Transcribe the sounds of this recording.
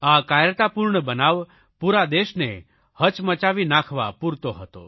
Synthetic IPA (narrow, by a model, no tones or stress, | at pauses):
akajət̪apuɾɳəbənaʋ | puɾad̪eʃne | hət͡ʃmət͡ʃaʋinakʰʋa̰puɾt̪oɦət̪o̰